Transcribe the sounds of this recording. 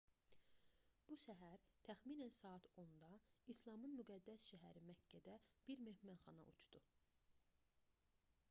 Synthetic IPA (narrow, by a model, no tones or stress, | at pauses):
b̥uʃæɦæɾt̪ʰæxminænsɑːɑt̪ʰo̞nd̪ɑislˠɑmɯnmyɡæd̪ːæsʃæɦæɾimæcʰːæd̪æb̥iɾmehmænχɑnɑ̰ʔṵt͡ʃd̪̥u